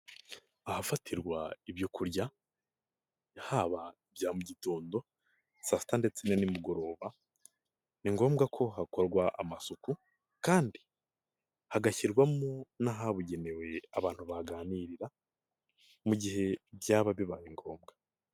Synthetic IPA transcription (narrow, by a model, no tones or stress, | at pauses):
ahafatʰiɾɡwaiβjokʰuɾɟa | haːβaibjaːmuɟitoːndo̞ | sasi̥tande̞t͡senenimuɡo̞ɾo̞ːβa | niŋɡo̞ːmɡakʰo̞ɦakoɾɡwaʔa̰masuku | kaːndi | haɡaçiɾɡwamonaɦaβuɟe̞ne̞we̞aβaːn̥huβaɡaːniːɾiɾa | muɟiɦe̞bjaːβaβiβaɾiŋɡo̞ːmɡa